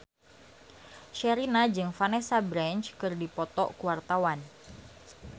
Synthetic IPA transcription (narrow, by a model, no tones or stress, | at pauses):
ʃɛɾinad͡ʒɨŋfanɛsabɾɛnt͡ʃkɨrdipɔt̪ɔ̰ʔkuwart̪awan